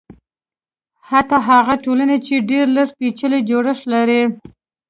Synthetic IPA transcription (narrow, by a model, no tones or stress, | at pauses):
hat̪aɦaɣaʈolanet͡ʃeɖeɾləʂpit͡ʃəled͡ʒoɽəʂlaɾi